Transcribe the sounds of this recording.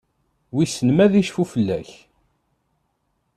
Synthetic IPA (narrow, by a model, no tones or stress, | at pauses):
wisənmæðiʃfufəlːæ̰ç